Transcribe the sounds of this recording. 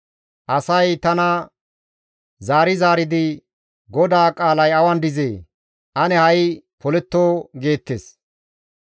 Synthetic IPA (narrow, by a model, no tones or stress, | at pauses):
ʔɐsɐjt̪ɐnɐ | zaːɾɪzaːɾɪd̪ɪ | ɡɔd̪aːkʼaːlɐjɐwɐnd̪ɪzeː | ʔɐnɛhɐjpɔlɛt̪ːoːɡe̞ːt̪ːeːs